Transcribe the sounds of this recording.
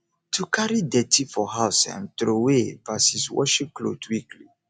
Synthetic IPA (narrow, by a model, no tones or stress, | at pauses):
tʰukʰaɾidetʰifɔɦaʊsã̰nt̪ɾowepasiswɔ̰ʃĩklo̰dwikʰli